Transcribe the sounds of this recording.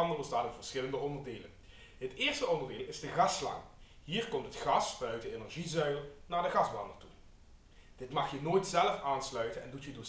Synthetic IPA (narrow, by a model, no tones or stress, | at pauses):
ɑndəbəstaːtɪnvəɹsɪləndəɔndəɹdeːlə̰n | ɦətɪːɹstəɔndərdeːlˠɪzdəɣɑslɑ̰ŋ | ɦiːɹkɔmtɦətχɑsbœɥtəenɛɹʒizœɥlˠnaːɹdəɣɑzbɑndətu | d̥ɪtmɑxjənoːjtsɛləfaːnslœɥtənɛndutjədo